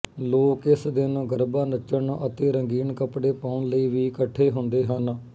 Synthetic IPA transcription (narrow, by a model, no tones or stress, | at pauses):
loːkɪsd̪ɪnɡəɾbaːnət͡ʃːəɳʔət̪eːɾəŋɡiːnkəpɽeːpaːʊɳləiːʋiːkəʈʰːeːɦʊ̃nd̪eːɦən